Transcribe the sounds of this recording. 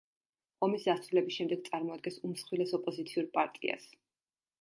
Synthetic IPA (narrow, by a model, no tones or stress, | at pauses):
ɔmisd̪ast̪ʰulɛbisʃɛmd̪ɛɡ̚t̪sʼaɾmɔad̪̚ɡɛnsumsχwilɛsɔpʼɔzit̪sʰiuɾpʼaɾt̪ʼḭa̰s